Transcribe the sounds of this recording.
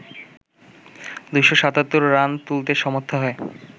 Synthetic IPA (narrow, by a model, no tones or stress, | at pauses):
d̪ujʃoʃat̪at̪ːoɾːant̪ult̪̬eʃɔmot̪ʰːaɦɔe